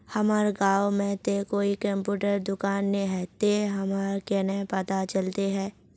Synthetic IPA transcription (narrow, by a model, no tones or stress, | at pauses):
hɐmaːɾɡaːwmẽt̪ekoːikɐ̃mpjuːʈəɾd̪ʊkaːnːeɦɛt̪eɦɐmaːɾkenəpɐt̪at͡ʃəlt̪eɦɛː